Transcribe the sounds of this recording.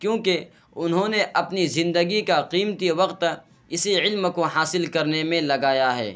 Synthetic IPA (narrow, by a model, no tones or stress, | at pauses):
kjõːke | ʊnɦõːneʔɐpnizɪ̃nd̪əɡikaqiːmt̪iʋɐqt̪ | ɪsiʕɪlmkoɦaːsɪlkɐɾnemẽlɐɡaːjaɦɛ̰ː